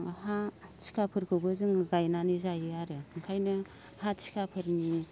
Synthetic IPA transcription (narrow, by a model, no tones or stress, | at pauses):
hat͡ʃʰi̥kʰapʰɯɾkʰɯbɯzɯŋɡajnanizajɯaɾɯɯŋkʰajnɯ | hat͡ʃi̥kʰapʰɯɾni